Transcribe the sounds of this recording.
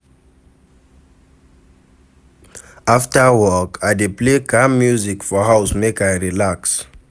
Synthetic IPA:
aftawɔkʰadeplekamːjuzikfɔhawsmekaɹilaks

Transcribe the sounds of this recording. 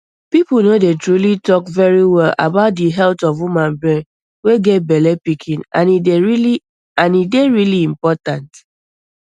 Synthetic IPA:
pipl̩ˠnodetɹulitɔkvɛɹiwɛla̰baʊt̚diɦɛltɔvwumãnbɹɛ̃n | weɡɛt̚bɛlɛpikʰĩna̰ni | ãnideɹiliĩmpɔtãnt

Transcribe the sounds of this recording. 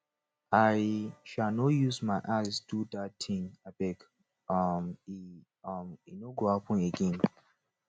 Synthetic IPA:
aɪʃalnɔjusmaɪʔasdudatʰĩŋab̥ɛk | ʌmi | ʌminoɡohapɔ̃neɡɛ̃n

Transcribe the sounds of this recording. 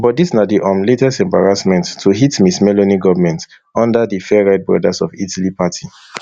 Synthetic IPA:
bɔtdisnadiʔamletɛstɛ̃mba̰ɹasmɛ̃ntʰːuɦitmismɛloniɡɔvmɛ̃nt | ɔ̃ndadifɛɹaɪt̚bɹɔ̰dasɔvitalipatʰi

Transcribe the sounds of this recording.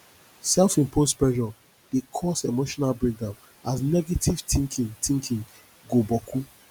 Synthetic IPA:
sɛlfĩmpʰospɹɛʒɔ | d̥ekʰɔsemoʃɔnalbɹek̚dãn | asnɛɡetiv̥tĩŋkʰĩŋtĩŋkʰĩŋ | ɡobɔkʰu

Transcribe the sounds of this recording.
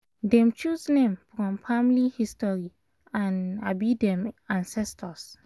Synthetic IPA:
dɛ̃mt͡ʃusnẽmfɹɔ̃mfamlihistɔɹi | ãnabidɛ̃mãnsɛstɔs

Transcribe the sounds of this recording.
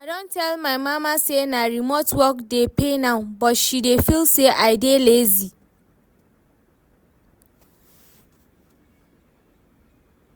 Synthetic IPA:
adɔ̃ntʰɛlmãɪmãmãsenãɾimɔtwɔk̚depʰenãbɔtʃidefilseʔaɪdelezi

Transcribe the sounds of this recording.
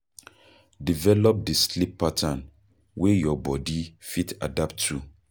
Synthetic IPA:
divɛlɔp̚dislipːatʰãn | wejɔbɔdifita̰dap̚tʰːu

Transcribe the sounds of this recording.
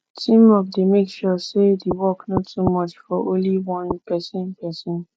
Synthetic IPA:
tʰĩmɔk̚demekʃɔsedewɔknɔtʰːumɔt͡ʃfɔʔõnliwɔ̃npɛsɛ̃npʰɛsɔ̃n

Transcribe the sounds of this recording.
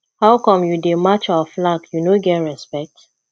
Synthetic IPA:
hawkɔ̃mjudemat͡ʃaaflaɡjunoɡɛtɹɛspɛk̚t

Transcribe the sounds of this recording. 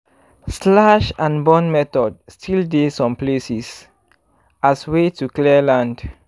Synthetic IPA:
slaʃãnbɔ̃nmɛtɔdstʰildesɔ̃mplesis | ʔaswetuklɛlãnd

